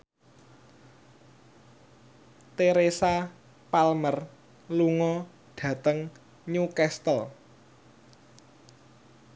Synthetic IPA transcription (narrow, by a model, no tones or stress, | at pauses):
t̪eɾesa | palmər | luŋɔ | ɖ̥ä̤t̪əŋ | ɲukɛst̪əl